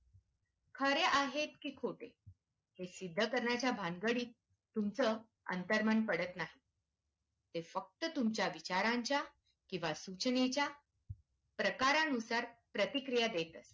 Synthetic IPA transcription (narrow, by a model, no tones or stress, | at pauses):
kʰəɾeʔaɦet̪kiːkʰoʈʰe | hesid̪ʱːəkəɾɳjat͡ɕjabʱaŋɡəɽiːt̪ | t̪umt͡sə | ə̰nt̪əɾmənpəɽət̪naɦi | t̪efək̚t̪ət̪umt͡ɕjaʋit͡ɕaɾãɲt͡ɕja | kĩw̃ʋasut͡ɕnet͡ɕja | pɾəkaɾanusaɾpɾət̪ikɾijad̪et̪əs